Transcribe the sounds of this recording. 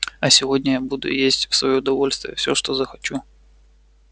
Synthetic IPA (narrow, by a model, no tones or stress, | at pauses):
ɐsʲɪvo̞dʲnʲəjabud̪ʊ̰jesʲtʲfsvɐjoʊd̪ɐvo̞lʲst̪vʲɪjəfsʲo̞ʂt̪o̞zəxɐt͡ɕu